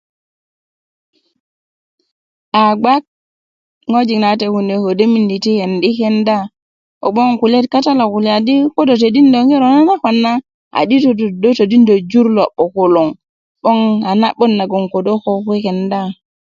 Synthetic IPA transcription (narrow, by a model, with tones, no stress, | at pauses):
ʔa˨ɡ͡ba˦k̚ | ŋo˦d͡ʒi˨na˨te˨hu˨ne˨ko˨de˦mi˨ndi˨ti˦he˨ndi˦kɛ˦nda˦ | ɔ̰˨ɓɔ˦ŋku˨le˦tka˦ta˦la˨ku˨lɛ˨a˨di˦ko˦do˨t̬e˨di˦ndo˨ŋɡe˦ɾɔ˨na˦na˦ka˨nːa˦ | a̰˨di˦to˨ddo˦to˨di˦ndo˨d͡ʒu˦ɾlɔ˨ɓɔ˨ko˨lo˨ŋ | ɓɔ˦ŋa˨na˦ɓɔ˦nːa˨ɡɔ˨ŋko˨do˦kɔ˦ki˦kɛ˨nda˦